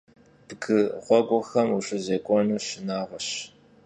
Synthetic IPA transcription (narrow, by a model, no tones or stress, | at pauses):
b̥ɨɡɨʁʷɔɡʷʼɔxɐmuɕʼɪzeːkʷʼɔnuːɕɪnaːʁʷɔɕ